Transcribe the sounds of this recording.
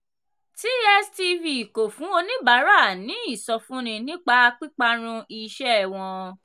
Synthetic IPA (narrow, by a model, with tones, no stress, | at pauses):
ti˦ɛ˦sti˧vi˧˨ko˨fũ˨˦o˧nĩ˦ba˨˦ɾa˦˨nĩ˨˦i˦˨sɔ˧fũ˦ñĩ˧nĩ˦k͡pa˧k͡pi˦k͡pa˧ɾ̃ũ˧i˧ʃɛ˦ɛ˨w̃ɔ̃˧